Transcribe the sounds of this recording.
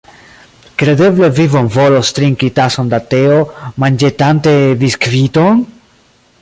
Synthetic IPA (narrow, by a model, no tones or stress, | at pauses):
kɾe̞de̞ble̞vivonvo̞lost̪ɾiŋkitasondateomand͡ʒetant̪e̞viskvit̪on